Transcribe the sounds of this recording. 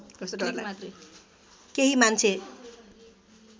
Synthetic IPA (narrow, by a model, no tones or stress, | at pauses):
kʌslaaɾ | keɦimant͡sʰe